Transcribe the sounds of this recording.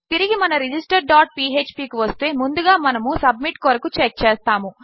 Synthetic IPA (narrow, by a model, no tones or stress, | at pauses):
t̪iɾiɡimɐnɐɾid͡ʒisʈɐɾɖaːʈ̚piːeːt͡ʃpiːkiʋɐst̪e̞ːmund̪uɡaːmɐnɐmusɐb̚miʈkɔːɾɐkut͡ʃek̚t͡ʃeːst̪aːmu